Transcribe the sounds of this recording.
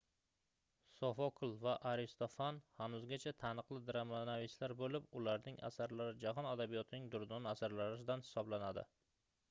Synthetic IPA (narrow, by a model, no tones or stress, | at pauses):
sɒfɒkʰlˠvaʔaɾɪst̪ofanhanʊzɡʲat͡ʃʰat̪ʰanɨqlˠɪd̪ɾamanavɪslaɾbolɪpʊlaɾnɪŋa̰saɾlaɾɪd͡ʒaɦɒnad̪abijɒt̪ʰɪnɪŋd̪ʊɾd̪ɒnasaɾlaɾɪs̬ɪd̪anhɪ̥sɒblanad̪ɪ̰